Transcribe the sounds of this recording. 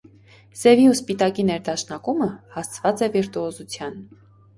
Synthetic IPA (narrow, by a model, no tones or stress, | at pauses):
sɛviuspit̪ɑkinɛɾd̪ɑʃnɑkuməhɑst͡sʰvɑt͡sɛviɾt̪uɔzut͡sʰjɑn